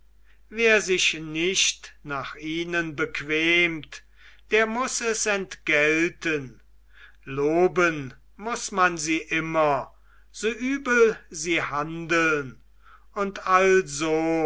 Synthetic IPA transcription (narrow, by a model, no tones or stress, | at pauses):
veːɐzɪʃnɪʃtnaːχiːnənbəkv̥ɛːmt | d̥eːɐmʊsɛsɛntɡ̥ɛltʰən | loːbən | mʊsmanziːʔɪmɐ | z̥oːʔyːbəlziːhandəln | ʊntalzoː